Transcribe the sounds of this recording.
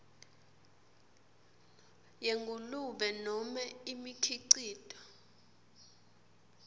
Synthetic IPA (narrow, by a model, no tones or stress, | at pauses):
jeŋɡʱuluɓɛnɔmɛimikʰiǀiːdʱʼɔ̥